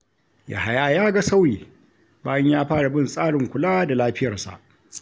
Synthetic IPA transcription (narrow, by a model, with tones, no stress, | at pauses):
ja̰˨ha˨jaː˦jaː˦ɡa˨sa˦wjiː˨ | baː˦jɐ˦ɲjaː˦ɸaː˦ɽa˨bɪ˦nsʼaː˦ɽɪ˨ŋkʷʊ˨laː˦da˨laː˦ɸɪ˦jɐ˨rsa̰˨ʔ